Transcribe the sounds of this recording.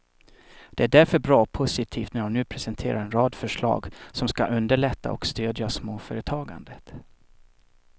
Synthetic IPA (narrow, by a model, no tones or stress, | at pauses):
d̪̥ɛæɖæɾfœɾbɾɑːɔpʰʊsɪt̪ʰiːft̪næɾannʉ̟ːpʰɾɛsɛnt̪ʰeːɾaɾɛnɾɑːd̪fœʂɭɑ̰ːɡsɔmskaʔɵnd̪əɭɛt̪ːa̰ɔkst̪øːd̪jasmoːfœːɾət̪ʰɑːɡa̰nd̪ət̪